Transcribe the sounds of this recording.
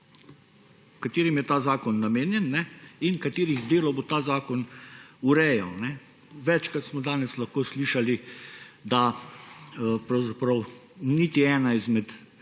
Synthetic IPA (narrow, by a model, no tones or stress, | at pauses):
kat̪eːɾimjɛt̪aːzaːkɔnːameːnjɛnːɛinkat̪eːɾiɣd̪eːlɔbot̪aːzaːkɔnuɾɛːjawnɛ | ʋɛt͡ʃkɾat̪smɔd̪aːnɛslɐxkoːsliːʃalid̪a | pɾɐwzapɾɐw | nit̪iɛːnaizmɛt̪